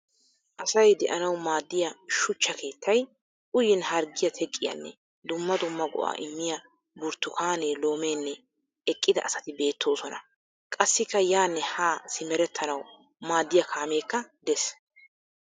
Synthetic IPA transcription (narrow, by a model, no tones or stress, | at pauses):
ʔɐsɐjd̪ɛʔɐnɐwmaːd̪ːɪjɐʃʊt͡ʃːɐke̞ːt̪ʰːɐj | ʔʊjɪnhɐɾɡɪjɐt̪ʰɛkʼːɪjɐ̰nːɛ̰ | d̪ʊmːɐd̪ʊmːɐɡɔ̰ʔa̰ːʔɪmːɪjɐ | bʊɾt̪ːʊkʰaːneːlo̞ːmeːnːɛ | ɛkʼːɪd̪ɐʔːsɐ̥t̪ɪbe̞ːt̪ʰːo̞ːsɔnɐ̰ | kʼɐsːɪkːɐjaːnːɛhaːsɪmɛɾɛt̪ʰːɐnɐw | maːd̪ːɪjɐkʰaːme̞ːkːɐd̪ɛs